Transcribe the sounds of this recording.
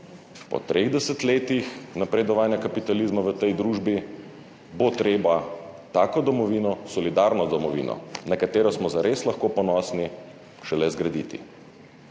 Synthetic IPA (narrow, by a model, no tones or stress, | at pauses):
pɔ̰t̪ɾʔeɣd̪ɛsɛt̪leːt̪ixnapɾɛd̪ɔʋaːnjakapit̪aliːzmaʋət̪ɛjd̪ɾuːʒbi | bot̪ɾeːbat̪aːkɔd̪ɔmɔʋiːnɔsɔlid̪aːɾnɔd̪ɔmɔʋḭːnɔ̰nakat̪eːɾɔsmɔzaɾeːslaxkoːpɔnɔːsni | ʃɛlɛzɡɾad̪iːt̪ḭ